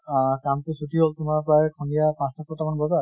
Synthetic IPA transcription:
kamtesutiɦoltʊmaɹpɹajɛkʰɔnijapãstʰakʰɔtamanbɔzaɹ

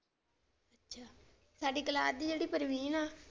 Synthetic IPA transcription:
ətːʃʰaː | saːɖiːkəlaːt̪d̪iːd͡ʒeːɽiːpəɾʋiːnaː

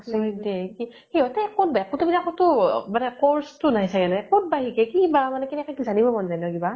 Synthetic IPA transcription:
sɔdɛki | heɔtɛkot̚bɛkutubidakʰɔtʊmanɛkɔɹstʊnajsakɛnɔkut̚baɦikɛkibamanɛkɛnɛkakizanibɔbɔnzajnɔkiba

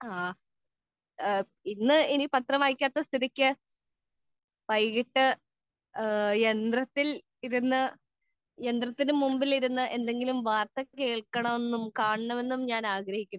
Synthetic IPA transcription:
aː | inːɨinipɐt̪rɐmaːjikʲːaːt̪ːɐst̪iɾikʲːɨ | pɐjɣiʈːɨ | end̪rɐt̪ːil | iɾunːɨ | e̞nd̪rɐt̪ːinɨmumbiliɾunːɨʔe̞nd̪e̞ŋɡilumʋaːrt̪ɐke̞ːɭkɐɳɐme̞nːumkaːɳɐɳɐme̞nːumɲaːnaːɡɾɐhikʲːunː

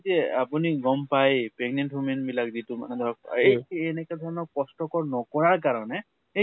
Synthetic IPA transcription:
tɛapuniɡɔmpajpɛɡnɛntumenmilak̚zituma̰nɛd̪ʱɔɹɔk̚ejɛnɛkɛdʱɔɹɔnɔkɔstɔkɔɹnɔkɔɹaɹk̬aɹɔnɛ | e

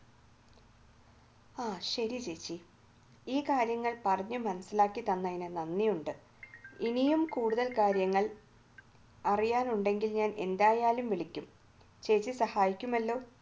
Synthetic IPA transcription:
aːɕɐɾit͡ɕeːt͡ɕːi | iːkaːɾjɐŋːɐɭpɐrɐɲːumːɐnɐsilaːkːit̪ɐnːɐinɨnɐnːijuɳɖɨ | inijumkuːɽuðɐlkaːɾjɐŋːɐɭ | ɐrijaːnuɳɖe̞ŋɡilɲaːne̞̰nd̪aːjaːlumʋiɭikʲːum | t͡ɕe̞ːt͡ɕːisɐhaːjikʲːumɐlːo̞ː

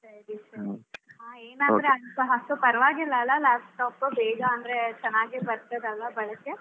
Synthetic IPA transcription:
sɐɾisɐɾiɦaːeːnɐnd̪ɾeɐntɐɦɐsupɐɾʋaːɡilːɐlːɐlaːpʈaːpobeːɡaɐnd̪ɾet͡ʃɐnaːɡibɐɾt̪ɐd̪ɐlʋɐbɐɭɐkːe

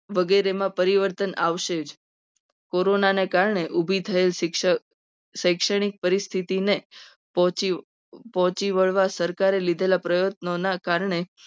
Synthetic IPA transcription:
ʋəɡeɾemãpəɾiʋəɾt̪ənaʋʃed͡ʒ | koɾonanekaɾɳeʔubʱit̪ʰəel | səjkʃəɽ̃ik̚pəɾist̪ʰit̪ine | ɔi | pɔ̃ɦt͡ʃiʋəɭʋasəɾkaɾelid̪ʱelapɾəjot̪̚nonakaɾɳe

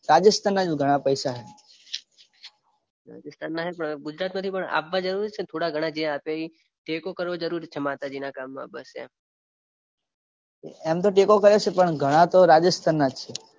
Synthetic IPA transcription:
ɾad͡ʒəst̪ʰanːad͡ʒɡʱəɽ̃apəjsaɦe | ɾa̰d͡ʒəst̪ʰanːaɦepəɳɡʊd͡ʒɾat̪mãt̪ʰipəɳa̰ʋːad͡ʒəɾuɾit͡ʃʰet̪ʰoɽaɡʱəɽ̃ad͡ʒẽapai | ʈekokəɾʋod͡ʒəɾuɾt͡ʃʰemat̪ad͡ʒinakamːã̰bə̰sa̰ | eɛmt̪oʈekokəɾet͡ʃʰepəɳɡʱəɽ̃ãt̪oɾad͡ʒəst̪ʰanːad͡ʒt͡ʃʰe

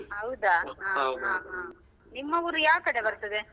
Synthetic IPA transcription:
ɦɐwud̪aɦaːɦãɦaː | nimːɐʋuɾujaːʋk̪ɐɽebɐɾt̪ːɐd̪e

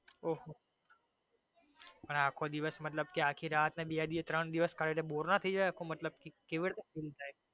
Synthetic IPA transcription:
oɦo | pɐɳaːkʰod̪ɪʋəsmɐt̪ləb̚kiaːkʰiɾaːt̪nẽbiad̪iet̪ɾəɳ̃d̪ɪʋəskəɽeʈẽboːɾnat̪ʰid͡ʒaeakʰomɐt̪ləb̚kikɪʋɪɽt̪eɪlt̪ae

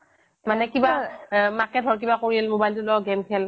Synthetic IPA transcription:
manɛkibamakɛt̚ɔɹk̬ibakoɹilmobajltʊlɔɡɛmkʰɛl

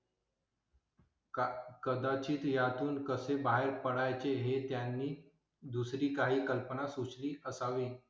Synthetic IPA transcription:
kəd̪at͡ɕiːt̪jat̪uːnkəsebaɦeɾpəɽajt͡ɕeɦet̪janːiː | d̪usɾiːkaɦiːkəlpənasusliːʔəsaʋiː

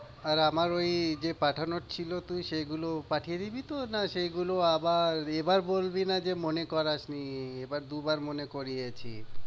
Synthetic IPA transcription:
aɾamaɾojd͡ʑepaʈʰanoʈ̚t͡ɕʰilot̪ujʃeɡulopaʈʰijed̪ibit̪onaʃeɡuloabaɾebaɾbolbinad͡ʑemonekɔɾaʃniebaɾd̪ubaɾmonekoɾiet͡ɕʰḭ

